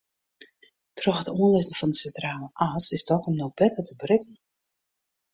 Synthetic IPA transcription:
trɔxhətuənlɪsən̩fɔndəsɛntraːləʔasɪstɔxɔmnob̥ɛtətəbrɪkən̩

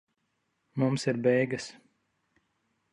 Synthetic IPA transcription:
mumsiɾbɛjɡɐs

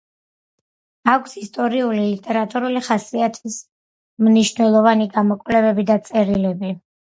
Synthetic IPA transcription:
akʰsist̪ʼɔɾiulilit̪ʼɛɾat̪ʼuɾuliχasiat̪ʰis | mniʃnɛlˠɔvaniɡamɔkʼwvlɛbɛbid̪at̪sʼɛɾilɛbi

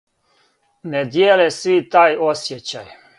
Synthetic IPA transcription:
ned̪jeːlesʋit̪aːjosjet͡ɕaj

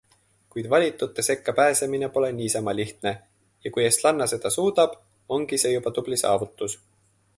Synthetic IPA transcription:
kujd̪̥vɑlʲit̪ːˑut̪ˑːe̞se̞kːɑpæːse̞mine̞po̞le̞niːsɑmɑlʲiht̪ne̞ | jɑkujest̪lɑnːɑse̞d̪̥ɑsuːd̪̥ɑb̥ | o̞ŋɡ̥ise̞jubɑt̪ub̥lisɑ̰ːvut̪ːˑus

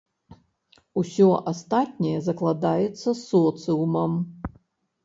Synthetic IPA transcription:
usʲɔʔast̪at̚ʲnʲɛjɛzɐklˠad̪ajɛt̪sːɐsɔt̪sɨumɐm

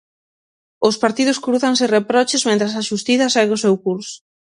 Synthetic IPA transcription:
ʊspaɾt̪iðʊskɾuθaŋsɪrepɾɔt͡ʃɪzmẽnt̪ɾas̬aʃust̪iθɐsajɣosewkuɾsʊ̥

